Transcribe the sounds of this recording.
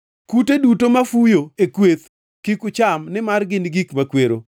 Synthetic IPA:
kutedutomafujoekwet̪ | kikʊt͡ʃamnɪmarɡɪnɡikmakweɾo̰

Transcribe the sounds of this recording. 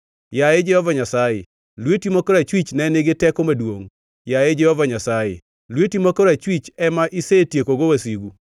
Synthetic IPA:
jaed͡ʒɛhɔvaɲasajḛ | lwetimokɔɾat͡ʃwit͡ʃnɛnɪɡɪtɛkomadwoŋ | jaed͡ʒɛhɔvaɲasajḛ | lwetimokoɾat͡ʃwit͡ʃɛmaʔisetjekoɡowasiɡu

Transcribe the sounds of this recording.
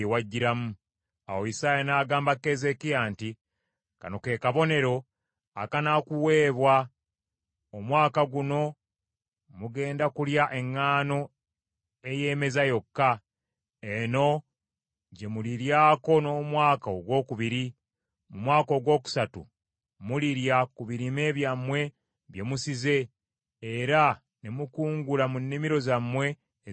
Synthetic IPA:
ewaɟːiɾamu | a̰wojisaːjenaːɡaːmbakːe̞ze̞kijanti | ka̰noke̞ːkaβo̞ne̞ɾo̞ | akanakuwe̞ːβwa | omwaːkaɡuno̞ | muɡe̞ːndakuljaʔe̞ŋːaːno̞ | e̞je̞ːme̞zajo̞kːa | eno̞ | ɟe̞muliɾjaːko̞no̞ːmwaːkaoɡwo̞ːkuβiɾi | mumwaːko̞ːɡwo̞ːku̥satṵ | muliɾjakuβiɾime̞ːβjamːwe̞ | βje̞musize̞ː | ɾa | nemukuːŋɡulamunːimiɾo̞zamːwe̞

